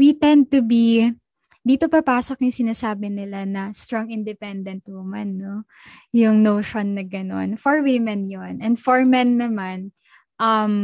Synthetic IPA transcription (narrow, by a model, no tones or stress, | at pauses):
wit̪ɛnd̪̚t̪ubi | d̪iːt̪o̞pɐpaːsok̚jʊŋsɪnaːsaːbɪnɪlanɐst̪ɾoŋɪnd̪ɛpɛnd̪ɛnt̪̚nʊmanːo | jʊŋnoːʃonːɐɡɐno̞̰nfɔɹwɪmɛnjonʔɛnd̪fɔɹmɛnːɐman | ʔɐm